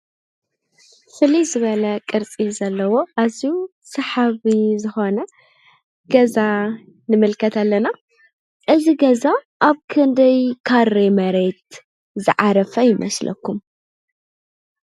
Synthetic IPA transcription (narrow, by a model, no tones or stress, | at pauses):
fɨlizɨβɐlɐkʼɨɾt͡sʼizɐlːɐwo̞ʔaziu | sɐħaβizɨxo̞nɐ | ɡ̥ɐza | nɨmɨlkʰɐt̪alːɐna | ʔɨziɡɐza | ʔaβkʰɨnd̪ɐjkʰaɾemɐɾe̞t̪̚ | zɨ̰ʕaɾɐfɐjɪmʔɐ̰slʔɐ̰kːum